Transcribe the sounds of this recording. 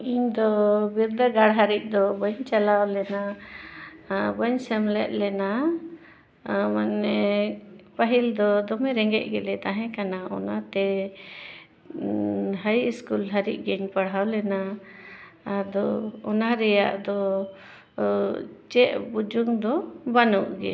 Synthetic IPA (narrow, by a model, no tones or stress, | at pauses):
iɲd̪ɔbiɾd̪əɡaɽɦaɾiʔ̚ˀd̪ɔbəɲt͡ʃalawlɛna | bəɲsɛmlɛ̰ʔ̪̚ˀlɛna | manːɛ | paɦild̪ɔd̪ɔmɛɾɛŋɡɛʔ̚ɡɛlɛt̪aɦɛ̃kanaʔɔ̰nat̪ɛ | ɦajiskulɦaɾiʔ̚ˀɡəɲpaɽ̤awlɛna | ad̪ɔɔnaɾɛja̰ʔd̪ɔ | t͡ʃɛʔbud͡ʒuŋd̪ɔbanuʔɡɛ̰